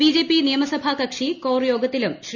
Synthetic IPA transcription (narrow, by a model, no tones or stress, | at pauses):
iːd͡ʑe̞ːpinijɐmɐsɐbʱɐkɐkʂikoːrjo̞ːɡɐt̪ːilumɕ